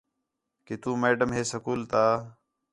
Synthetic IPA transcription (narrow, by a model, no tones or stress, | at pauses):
ket̪uːmeːɖəmɦeːsəkuːlt̪aː